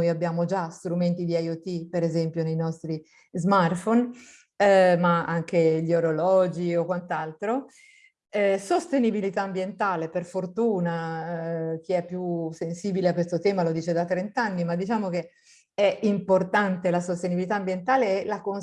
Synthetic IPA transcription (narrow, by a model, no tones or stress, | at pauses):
ojabːjaːmod͡ʒast̪ɾument̪id̪iajot̪ːipeɾezɛmpjonejnɔst̪ɾi | zmart̪fon | maaŋkeʎoɾolɔːd͡ʒiokwant̪alt̪ɾo | ɛsost̪enibilit̪aːmbjent̪aːleperfort̪uːna | k̟iɛpːjusensiːbileakːwest̪ot̪ɛːmalod̪iːt͡ʃed̪at̪ːɾent̪anːimad̪ːit͡ʃaːmok̟e | ɛimport̪ant̪elasost̪enibilit̪aːmbjent̪aːleɛlakon